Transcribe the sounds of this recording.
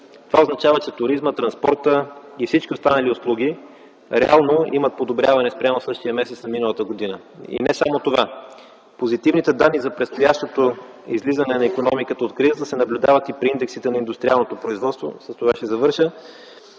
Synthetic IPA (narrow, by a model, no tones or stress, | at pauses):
t̪ovaoznɐt͡ʃavət͡ʃɛt̪ʊɾizmət̪ɾɐnspɔɾt̪əifsit͡ʃkʲiost̪anəlioslˠuɡ̟ʲi | ɾɛalˠnoimət̪̚pod̪obɾʲavɐnɛspɾʲjamosɤʃt̪ijəmɛsɛt̪snɐminəlˠət̪əɡod̪inə | ḭnɛsamot̪ova | pozit̪ivnit̪ɛd̪anːizɐpɾɛt̪st̪ojaʃt̪ot̪o | izlizənɛnɐikonɔmikət̪əot̪kɾizəd̪əsɛnɐblʲʊd̪avɐt̪ipɾiind̪ɛksit̪ɛnɐind̪ʊst̪ɾʲialˠnot̪opɾoizvɔt̪st̪vo̰səst̪ovaʃɛzɐvɤɾʃə